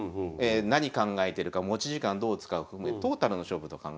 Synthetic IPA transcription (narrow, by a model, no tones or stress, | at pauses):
enaɲ̟ikãŋɡaet̪e̞ɾɯ̟kamo̞t͡ɕiʑikãnd̪o̞ːt͡sɨ̥kaɯ̟ɸɯɯmet̪o̞ːt̪aɾɯ̟no̞ɕo̞ːbɯ̟t̪o̞kã̰ŋɡ